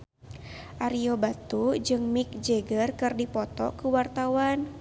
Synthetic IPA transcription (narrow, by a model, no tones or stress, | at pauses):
ʔaɾiobat̪ud͡ʒɨŋmik̚d͡ʒɛɡərkɨrdipɔt̪ɔ̰kuwart̪awan